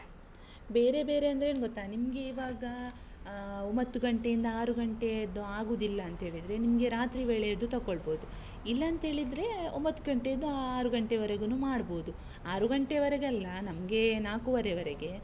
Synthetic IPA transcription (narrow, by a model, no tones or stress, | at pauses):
be̞ːɾe̞be̞ːɾe̞ɐnd̪ɐɾeːnɡot̪ːaːnimɐɡeiʋaːɡɐ | ombɐt̪ːuɡɐɳʈe̞jind̪ɐaːɾuɡɐɳʈeɐd̪uaːɡuːd̪ilːɐːnt̪ɦeːɭid̪ɐɾe̞nimɐɡe̞ɾaːt̪ɾibeːɭejɐd̪ut̪ɐkːoɭbo̞ːd̪u | ilːɐːnt̪ɦe̞ːɭid̪ɾe̞o̰mbɐt̪ːuɡɐɳʈejɐd̪ːuaːɾuɡɐɳʈeʋɐɾeɡɐnuːmaːɽbo̞ːd̪u | aːɾuɡɐɳʈeʋɐɾeɡɐlːɐnɐmɐɡe̞naːkuʋɐɾeʋɐɾeɡe̞